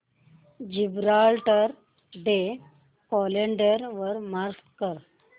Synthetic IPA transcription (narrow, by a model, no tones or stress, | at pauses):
d͡ʑibɾalʈəɾ | ɖe | kɔleɳɖəɾʋəɾmaɾskkəɾ